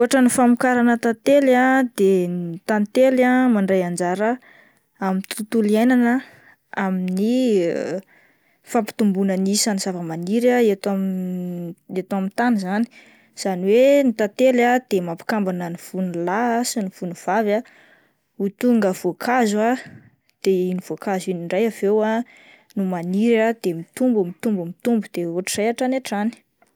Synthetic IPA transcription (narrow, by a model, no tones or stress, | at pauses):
ɦaʈ͡ʂənifamukaɾanət̪at̪elad̪enit̪ant̪elamaɳɖ͡ʐajand͡ʒaɾə | amint̪ut̪uliajnanə | amini | fapi̥t̪umbunənisanizavəmaniɾaet̪a | et̪amint̪anizani̥ | z̥aniwenit̪at̪elad̪̥emapi̥kambanənifunulaasinifunuv̥ava | ut̪uŋɡəv̥okʰazua | d̪̥einivokaziniɳɖ͡ʐajavewa | numaniɾad̪̥emit̪umbumit̪umbumit̪umbud̪̥eoʈ͡ʂireaʈ͡ʂaneʈ͡ʂani̥